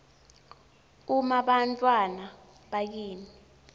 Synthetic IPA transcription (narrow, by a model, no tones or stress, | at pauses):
umaɓantʼwana | ɓajiːni